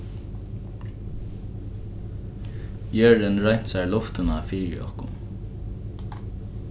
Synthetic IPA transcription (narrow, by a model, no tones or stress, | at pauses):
bjœɹd̪ɪnɹaɲ̥t̪saɹlʊft̪ɪnafiːɹɪ̰ɔ̰hkʊn